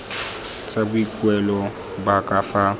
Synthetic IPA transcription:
t͡sʼabuikʼwɛlɔ | bakʼafa

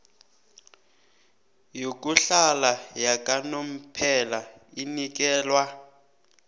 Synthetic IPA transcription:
jok̬ʼuɬalajakʼanom̩pʰɛla | inik̬ʼɛːlwa

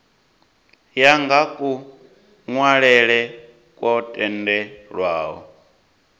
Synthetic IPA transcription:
jaŋɡakʼu | ŋwaɺɛɺɛ | kʼwɔtʼɛndɛɺwaːɦɔ̰

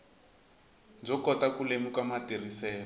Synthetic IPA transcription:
d͡zɔkɔtakulemukamatir̤isɛː

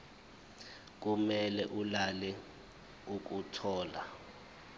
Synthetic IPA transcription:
k̬umɛlɛʔulalɛ | uk̬utʰɔːla̰

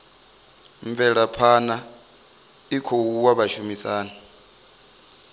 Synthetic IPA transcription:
ɱvɛɺapʰana | ikʰowuwaβaʃumisaːna

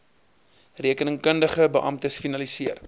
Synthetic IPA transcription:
riəkənəŋkəndəχəbəʔɐ̰mtəsfinɐlisiər

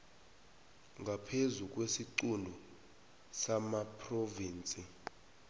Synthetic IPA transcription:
ŋɡʱapʰezuk̬ʼwesiǀundʱɔ | samapʰʼroviːnt͡sʼi

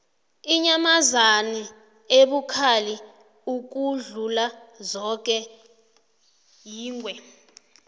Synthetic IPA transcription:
iɲamazani | eɓukʰali | uk̬uɮulazɔk̬ʼɛ | jiːŋwɛ

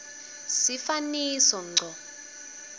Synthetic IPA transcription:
sifaniːsɔŋ͡ǀʱɔ

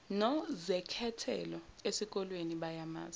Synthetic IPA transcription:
nɔzɛkʰɛtʰɛ̰lɔesik̬ʼɔlweniɓajama̰ːz

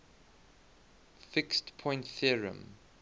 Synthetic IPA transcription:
fɪkstpʰɔ̃ɪ̃ntθiɹə̰̃m

